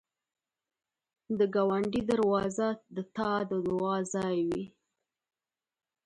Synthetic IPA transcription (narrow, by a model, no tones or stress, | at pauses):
d̪əɡɑwaɳɖid̪aɾwɑzad̪ət̪ɑd̪əd̪ʊɑzɑjwi